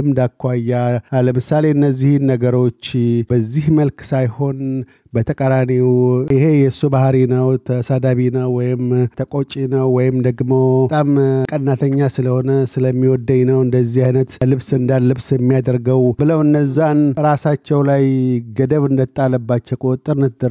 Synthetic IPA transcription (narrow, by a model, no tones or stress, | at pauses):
ɨmd̪akʰːwajaləmɨsale̞ɨnːəzːihnːəɡəɾo̞t͡ʃːbəzːihməlksajho̞n | bət̪ʰəkʼəɾaniwɪhe̞jɛsubahɾinəwt̪ʰəsad̪aβinəwːɔjɪmt̪ʰəkʼot͡ʃʼinəwːɔjɪmd̪əɡmo̞t̪ʼamkʼənːat̪ʰəɲːasɨləho̞nəsɨləmːiwɔd̪ːəɲnəwɨnd̪əzːihajnət̪lɨβsɨnd̪alːɨβsjɛmːijad̪əɾɡəwbɨləwɨnːəzːanɾasat͡ʃːɛwlajɡəd̪əβɨnd̪ət̪ʼːalːəbːat͡ʃːɛwkʼut̪ʼɨɾnɨt̪d̪əɾ